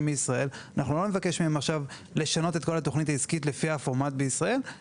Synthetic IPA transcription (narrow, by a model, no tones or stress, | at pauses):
meisʁae̞lanaχnulo̞me̞vake̞ʃmiemaχʃav | le̞ʃano̞t̪e̞t̪ko̞lat̪o̞χnit̪̬aizkitle̞fiafo̞ʁmat̪̚beisʁae̞l